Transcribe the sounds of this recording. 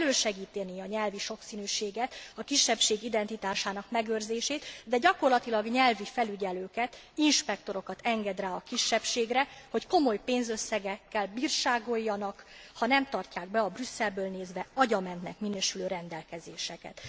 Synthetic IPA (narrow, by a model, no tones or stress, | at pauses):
løːʃɛɡiːt̪ɛniɒɲɛlviʃo̞ksiːnyːʃeːɡɛt̪ɒkiʃːɛpʃeːɡid̪ɛnt̪it̪aːʃaːnɒkmɛɡøːrzeːʃeːt̪d̪ɛɟɒko̞rlɒt̪ilɒɡɲɛlvifɛlyɟɛløːkɛt̪ | inʃpɛk̚t̪o̞ɾo̞kɒt̪ɛŋɡɛd̪raːɒkiʃːɛpʃeːɡrɛho̞cko̞mo̞jpeːnzø̞sːɛɡɛkːɛlbiːrʃaːɡo̞jːɒnɒkhɒnɛmt̪ɒrcaːɡ̚bɛɒbrysːɛlbøːlneːzʋɛɒɟɒmɛnt̪nɛ̰kminøːʃyløːɾɛnd̪ɛlkɛzeːʃɛkɛ̰t̪